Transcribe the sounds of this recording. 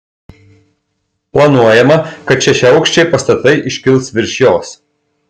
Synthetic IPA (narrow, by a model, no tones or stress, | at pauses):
plˠɐnuɔjɛmɐkɐt̪t͡ʃʲɛʃʲɛɐʊkʃʲt͡ʃʲɛɪpɐst̪ɐt̪ɐɪʔɪʃʲkʲɪlˠsʋʲɪɾʲʃʲjoːs